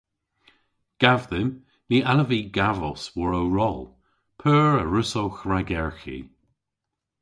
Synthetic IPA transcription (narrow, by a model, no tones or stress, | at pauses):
ɡ̥avðɪm | niːʔaləviːɡavɔ̰swɔɹowɹɔlˠ | pʰøːɹəɹʉsowxɹaɡɛɹxḭ